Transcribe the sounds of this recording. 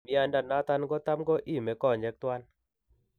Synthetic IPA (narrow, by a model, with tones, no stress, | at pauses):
mi˦a˨nda˨na˦t̪a˦nɡɔ˦t̪a˦mɡɔ˦ʔi˦˨mɛ˨˦kɔ˦˨ɲd͡ʒɛ˨˦k̚t̪wa˦n